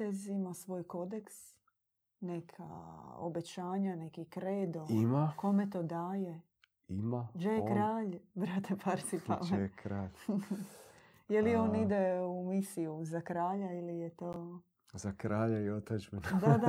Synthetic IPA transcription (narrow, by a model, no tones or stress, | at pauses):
t̪ezimasʋo̞ːjko̞d̪eks | ne̞kʰa̰o̰be̞t͡ɕaːɲane̞kikɾeːd̪oimako̞met̪o̞ːd̪aːje | imad͡ʒekɾaːʎbɾat̪epaɾt̪sipa̰mekɾaː | jelieo̞ːnid̪eumisijuzakɾaːʎailijet̪oː | zakɾaːʎaiot̪ad͡ʒbinad̪ad̪a